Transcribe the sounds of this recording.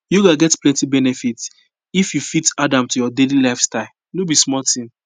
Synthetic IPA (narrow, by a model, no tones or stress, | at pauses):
joɡaɡɛtplɛ̃ntibɛnɛfit | ifjufitadãmtujɔdelilaɪfstaɪl | nobismɔltĩm